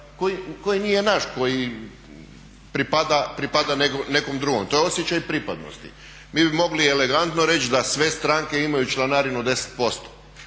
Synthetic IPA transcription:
kojikojinijenaʃko̞ji | pɾipad̪apɾipad̪anekone̞komd̪ɾuɡomt̪o̞jeosjet͡ɕajpɾipad̪no̰st̪ḭ | miːbimo̞ɡlieleɡant̪noɾe̞t͡ʃd̪asʋe̞st̪ɾaŋke̞imajut͡ʃlˠanaːɾinud̪e̞se̥t̪̚po̞st̪o̥

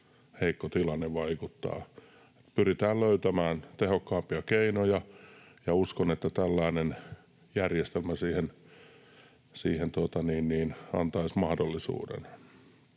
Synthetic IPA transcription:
heikːot̪ilɑnːeʋɑikut̪ːɑ̰ː | et̪pyrit̪æːlløyt̪æmæːnt̪ehokːɑːmpiɑkeinojɑ | jɑuskonet̪ːæt̪ælːæinen | jærjest̪elmæsiːhen | siːhent̪uot̪ɑniːnniːnɑ̰nt̪ɑismɑhdolːisṵːdḛn

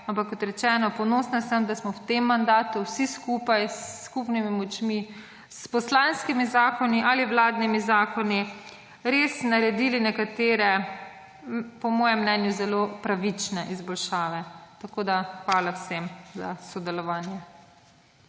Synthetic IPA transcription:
ampakːɔt̪ɾɛt͡ʃɛːnɔpɔnoːsnasəmd̪asmɔwt̪emːand̪aːt̪uwsiskuːpajsːkupnimimɔt͡ʃmi | spɔslanskimizaːkɔniʔaliwlaːd̪nimizaːkɔni | ɾeːsnaɾɛd̪ilinɛkat̪eːɾɛ | pɔmɔːjɛmːnɛːnjuzɛloːpɾaʋit͡ʃnɛʔizbɔlʃaːʋɛt̪akoːd̪axʋaːlawsemza̰sɔd̪ɛlɔʋaːnjɛ

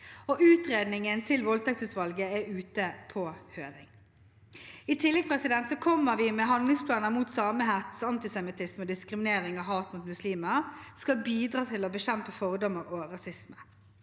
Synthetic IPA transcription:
ɔʔʉːt̪ʁeːd̪nɪŋənt̪ʰɪlʋɔlt̪ʰɛkt̪sʉːt̪ʋɑlɡəɛʉːt̪əpʰɔːhøːɾɪŋ | it̪ʰɪlːɛɡ̚pʰʁɛsɪd̪ɛnt̪sɔkʰɔmːəʁʋɪmɛɦɑnd̪lɪŋspʰlɑːnəmuːt̪sɑːməɦɛt̪ɑnt̪ɪsɛmɪt̪ʰɪsmɔd̪ɪskʁɪmɪneːʁɪŋɑɦɑːt̪muːt̪mʉsliːməskɑbiːd̪ʁɑːt̪ʰɪlɔbəɕɛmpəfɔʁd̪ɔmːəʁoʁɑsɪsmə

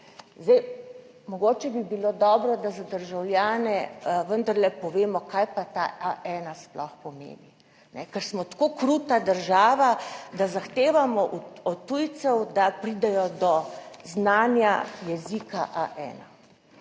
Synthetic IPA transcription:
zd̪ɛj | mɔɡoːt͡ʃɛbibiloːd̪ɔːbɾɔd̪azad̪əɾʒawlʲjaːnɛʋənd̪aɾlɛpɔʋeːmɔkajpat̪a̰ʔaʔɛːnasplɔxpɔmḛːni | nɛkɛɾsmɔt̪koːkɾut̪ad̪əɾʒaːʋad̪azaxt̪eːʋamɔʔuɔt̪ːujt̪sɛwd̪apɾid̪ɛjɔd̪ɔznanja̰jɛzikaʔaʔɛ̰ːna

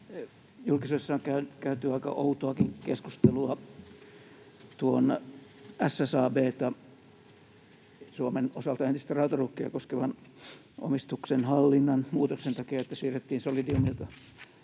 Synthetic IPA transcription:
julkisoisːɑoŋkæynkæyt̪yɑikɑ̰ʔout̪oɑkiŋkeskust̪eluɑ | t̪uon | æsːæsɑːbeːt̪ɑ | suomenosɑlt̪ɑent̪ist̪ærɑut̪ɑrukːiɑ̰koskeʋɑn | ʔo̰mist̪uksenhɑlːinːɑnmuːt̪oksent̪ɑkiɑet̪ːæsyːret̪ːiːnsolidiumilt̪ɑ

